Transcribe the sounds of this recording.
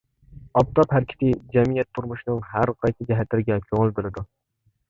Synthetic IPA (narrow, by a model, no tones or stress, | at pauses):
ɑp̚t̪ʰɑphæɾkʲʰɪ̥t̪ʰɪd͡ʒɛmijɛt̪ʰːʊɾmʊʃnɪŋɦæɾqʰɑjsʰɪd͡ʒɛɦæt̪lɪɾɪɡʲɛkʲʰoŋɪlˠbelɪd̪ʊ